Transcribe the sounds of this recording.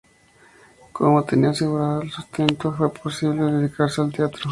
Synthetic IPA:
komot̪eniaseɣuɾaðoelsust̪e̞nt̪ofwe̞pʰo̞siβleðeðikaɾsealt̪eat̪ɾo

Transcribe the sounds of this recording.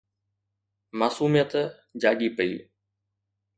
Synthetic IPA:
maːsuːmijət̪ | d͡ʑaːɠiːpəḭː

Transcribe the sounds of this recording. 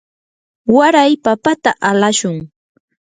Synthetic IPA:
waɾajpapat̪aʔalaʃʊŋ

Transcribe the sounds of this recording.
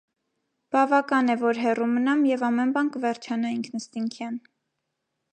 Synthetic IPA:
b̥ɑvɑkɑnɛvɔɾɦɛrumənɑmjɛvɑmɛnbɑnkəvɛɾt͡ʃʰɑnɑiŋkʰnəst̪iŋkʰjɑn

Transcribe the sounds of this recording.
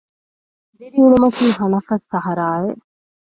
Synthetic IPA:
d̪eɾiuɭumɐk̪iːɦɐnɐfɐsːɐɦɐɾaːʋeʔ

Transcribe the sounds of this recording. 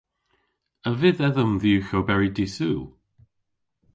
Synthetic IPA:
əvɪðɛðəmðiwxowbɛɹidisuː

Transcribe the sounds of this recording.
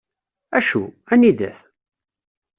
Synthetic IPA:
æʃuæniðæ̰θ

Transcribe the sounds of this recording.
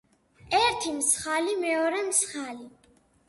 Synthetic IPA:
ɛɾt̪ʰimsχalimɛɔɾɛmsχali

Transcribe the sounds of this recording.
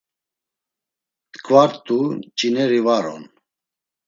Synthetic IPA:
t̪kʰʼvaɾt̪ʼut͡ʃʼinɛɾivaɾɔ̰n

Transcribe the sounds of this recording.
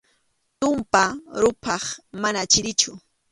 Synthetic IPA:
t̪ʊmpaɾʊpʰɑχmanat͡ʃɪɾɪt͡ʃʊ

